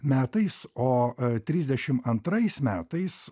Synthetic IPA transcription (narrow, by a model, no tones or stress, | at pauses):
mʲæːt̪ɐɪsoːt̪ʲɾʲiːzʲd̪ʲɛʃʲɪmɐnt̪ɾɐɪsmʲæːt̪ɐɪs